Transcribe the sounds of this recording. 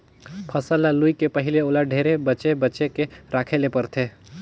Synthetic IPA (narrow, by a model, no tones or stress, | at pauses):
pʰəsəlaluikepəɦɪleoːlaɖʱeːɾebəːt͡ʃebətːt͡ʃekeɾaːkʰelepəɾt̪ʰeː